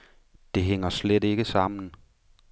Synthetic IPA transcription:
d̥e̝ɦeŋ̰ɐslede̝ɡ̥əsɑ̈m̰n̩

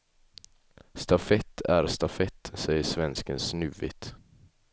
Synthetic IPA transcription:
st̪afɛt̪ʰːæɾst̪afɛt̪ːsɛjəʂvɛnskənsnʉːvɪ̰t̪

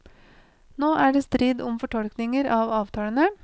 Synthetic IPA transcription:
noːʔæːɖeːst̪ɾiːd̪ʊmfɔʈʰɔlknɪŋəɾʔɑːʋɑːʋt̪ʰɑːlənə

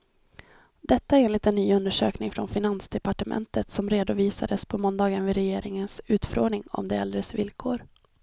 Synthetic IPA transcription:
d̪̥ɛt̪ːaæɾeːnlɪt̪ɛnːyːɵnd̪əʂø̰ːknɪŋfɾɔnfɪnansd̪ɛpaʈəmɛ̰nt̪ʰət̪sɔmɾeːd̪ʊviːsa̰d̪əspʰɔmɔnd̪ɑːɡənvɪɾɛjeːɾɪŋənsʉ̟ːt̪fɾoːnɪŋɔ̰md̪ɛɛld̪ɾəsvɪlkʰoːɾ

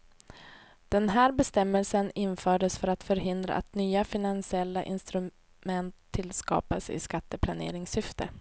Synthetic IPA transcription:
d̪̥ɛnɦæːɾbɛst̪ɛmːɛlsənɪnfœːɖəsfœɾat̪fœɾɦɪnd̪ɾa̰ʔa̰t̪nyːafɪnansɪɛlːaʔɪ̰nst̪ɾɵ | mɛnt̪ʰːɪlskɑ̰ːpasɪ̰skat̪ːəpʰlanḛːɾɪŋsʏft̪ʰə̰

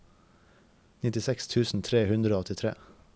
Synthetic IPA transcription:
nɪt̪ɪsɛkst̪ʰʉːsn̩t̪ʰɾeːhʉnd̪ɾəoːɔt̪ɪt̪ʰɾḛː

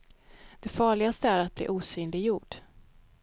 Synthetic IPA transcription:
d̪̥ɛfɑːɭɪɡast̪əæɾat̪̚blḭːʔuːsyːnlɪɡjuːɖ

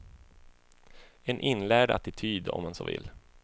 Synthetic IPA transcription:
ɛnʔɪnlæːɖa̰t̪ɪt̪ʰyːd̪ɔ̰mːanso̰ːvɪ̰lː

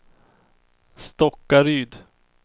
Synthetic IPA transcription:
st̪ɔkːaɾyːd̪

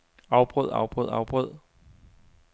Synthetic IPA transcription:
ɑ̈ʊb̥ʁɔð̰ˠɑ̰ʊb̥ʁɔð̰ˠɑ̰̈ʊb̥ʁɔð̰ˠ

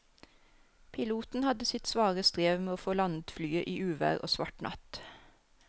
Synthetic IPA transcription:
pʰɪluːt̪n̩hɑd̪əsɪt̪sʋɑːʁəst̪ʁeːʋmeːoːfoːlɑnd̪flyːəʔiːʔʉːʋæ̰ːʁo̰ːsʋɑʈnʔɑ̰t̪

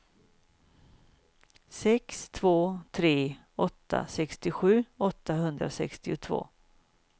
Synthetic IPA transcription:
sɛkst̪ʰvoːt̪ʰɾeː | ɔt̪ːa̰sɛkst̪ɪɧʉ̟ːɔt̪ːaɦɵnd̪ɾasɛ̰kst̪ɪʊt̪ʰvo̰ː

